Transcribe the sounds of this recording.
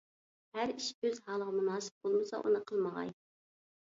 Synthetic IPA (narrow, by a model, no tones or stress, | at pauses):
hæɾiʃøzɦɑːlˠəʁɑmunɑːsɨ̥p̚b̥olˠmɨsɑ̰ʔṵnɨqʰəlˠməʁɑ̰j